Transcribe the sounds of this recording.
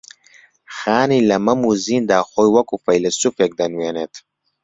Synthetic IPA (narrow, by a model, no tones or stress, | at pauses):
xaːnilɐmɐmuziːnd̪aːxojwɐkufɐjlɐsufek̚d̪ɐnwenet̪